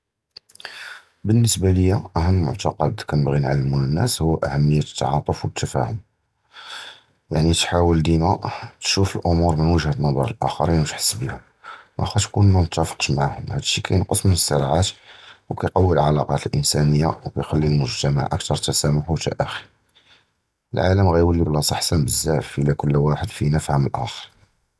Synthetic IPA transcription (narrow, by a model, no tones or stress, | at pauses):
bənːəsbaləjːæʔæhəmːəlmʊ̰ʕt̪ɑqɑd̪kænəbɣinʕalːəmunənːæshʊːʔæ̰hæmːəjːæt̪ət̪ːʕɑt̪ˤəfwət̪ʰːæfæ̰hʊm | jaʕnit̪ħawəld̪imæt̪ʃufəlʔʊmuɾmənwəʒhæt̪nɑd̪ˤɑ̰ɾˤlʔæxɑ̰ɾinwət̪ħə̥sːbihʊm | ʔæ̰xæʃkunnːænət̪ːæfə̥qt̪maʕhʊmhæd̪əʃːikʰæjnqəsˤmənəsːəɾˤʕat̪wkæjqɑwːəlʕɑlɑqɑt̪əlʔə̰nsænəjːawkæjxælːilmʊʒt̪æma̰ʕʔə̰k̚t̪ɑɾˤt̪æsæmʊħut̪ʰæ̰ʔæxi̥ | əlʕa̰ləmɣæjwəlːiblɑsˤɑħsænbəzːæfəlækʊlːwaħəd̪finəfhəməlʔæ̰xəɾˤ